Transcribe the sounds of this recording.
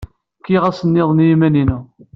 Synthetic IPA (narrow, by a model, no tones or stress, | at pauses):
kːiʁæsənːɪðˤnjimæninu